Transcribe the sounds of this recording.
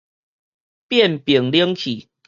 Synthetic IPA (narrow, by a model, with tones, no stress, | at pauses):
pjɛ˥˨npji˨˩ŋljə˦ŋkʰi˨˩